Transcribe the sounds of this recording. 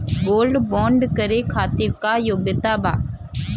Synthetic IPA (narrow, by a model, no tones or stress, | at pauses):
boːlɖbɔːɳɖkɐɾeːkʰaːt̪ɪɾkaːjoɡɐt̪aːbaː